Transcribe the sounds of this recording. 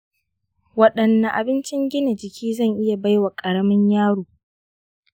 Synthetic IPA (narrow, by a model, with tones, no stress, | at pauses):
wɐ˦ɗɐ˨nːa˨ʔa̰˨bɪ˦nt͡ʃɪ˦ŋɡʲɪ˦ne˨d͡ʒɪ˨kʲʰiː˦zɐ˦˨ŋʔɪ˦ja˨ba˦jwa˨kʼɐ˨ɽɐ˦mɐ˦ɲjaː˦ɽoː˨